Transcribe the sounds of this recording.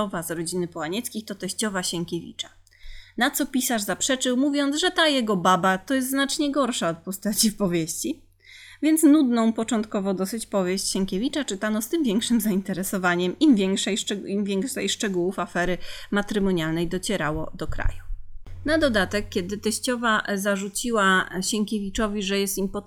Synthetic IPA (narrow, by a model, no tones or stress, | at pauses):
ɔvazɾɔd͡ʑinɘpɔwaɲɛt̪skʲixt̪ɔt̪ɛɕt͡ɕɔvaɕɛŋkʲɛvʲḭt͡ʂḁ | nat̪sɔpʲisaʐzapʂɛt͡ʂɘwmuvʲjɔnt̪zʐɛt̪ajɛɡɔbabat̪ɔjɛs̬t̪znat͡ʂɲɛɡɔɾʂaɔt̪̚pɔst̪at͡ɕifpɔvʲjeɕt͡ɕi | vʲjɛnt̪snud̪nɔ̃w̃pɔt͡ʂɔnt̪kɔvɔd̪ɔsɘt͡ɕpɔvʲjeɕt͡ɕɕɛŋkʲevʲit͡ʂat͡ʂɘt̪anɔst̪ɘmvʲjɛŋkʂɘmzaint̪ɛɾɛsɔvaɲɛmimvʲjɛŋkʂɛjʂɛimvʲjɛŋkʂɛjʂt͡ʂɛɡuwufafɛɾɘmat̪ɾɘmɔɲalnɛjd̪ɔt͡ɕɛɾawɔd̪ɔkɾa̰junad̪ɔd̪at̪ɛkkʲjɛd̪ɘt̪ɛɕt͡ɕɔvazaʐut͡ɕiwaɕɛŋkʲevʲit͡ʂɔvʲiʐɛjɛst̪impɔ